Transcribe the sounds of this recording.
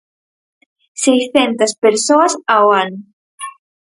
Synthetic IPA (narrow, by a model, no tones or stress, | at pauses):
sejsθɛnt̪ɐspeɾsoɐsawan